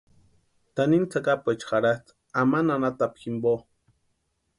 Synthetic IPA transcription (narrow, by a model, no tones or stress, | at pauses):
t̪anint͡sʰakapet͡ʃxaɽat͡s | amananat̪apximbo